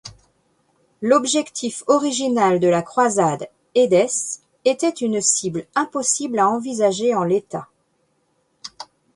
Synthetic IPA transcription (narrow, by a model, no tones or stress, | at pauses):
lɔbʒɛkt̪ʰifɔʁiʒinald̪əlakχwazad̪ | ed̪ɛs | et̪ɛt̪ynsiblɛ̃pɔsiblaɑ̃vizaʒeɑ̃let̪a